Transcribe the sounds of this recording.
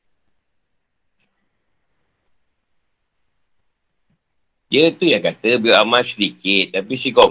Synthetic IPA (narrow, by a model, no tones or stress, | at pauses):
iət̪ujaŋkat̪əbiamãsədikɪt̪̚tapisikɔ